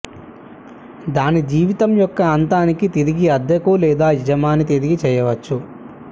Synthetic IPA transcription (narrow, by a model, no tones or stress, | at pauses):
d̪aːnid͡ʒiːʋit̪ɐmjɔkːɐːnt̪aːnikit̪eɾiɡiɐd̪ʱːɐkulɛːd̪aːid͡ʒɐmaːnit̪eɾiɡit͡ʃɛːjɐʋɐt͡ʃːu